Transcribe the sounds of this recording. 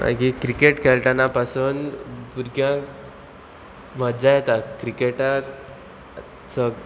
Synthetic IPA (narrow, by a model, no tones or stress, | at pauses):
a̰kikɾikeʈkʰelʈ̪anapasuːnpuɾɡjã | məd͡zajɛt̪akɾikeʈat̪ | t͡sə